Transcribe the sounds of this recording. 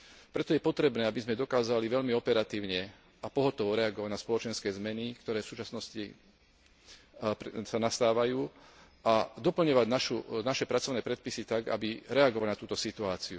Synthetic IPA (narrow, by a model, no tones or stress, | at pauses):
pɾɛt̪ɔjɛpɔt̪ɾɛbnɛːabizmɛd̪ɔkaːzaliʋɛʎmiɔpɛɾat̪iːʊɲɛ | apɔɦɔt̪ɔʋɔɾɛaɡɔʋaɟnaspɔlɔt͡ʃɛnskɛːzmɛnikt̪ɔɾɛːfsuːt͡ʃasnɔsci | pɾsanast̪aːʋajuː | ad̪ɔpl̩ɲɔʋaɟnaʃunaʃɛpɾat͡sɔʊnɛːpɾɛt̪̚pisit̪aɡa̰biɾɛaɡɔʋalnat̪uːt̪ɔsit̪uaːt͡siu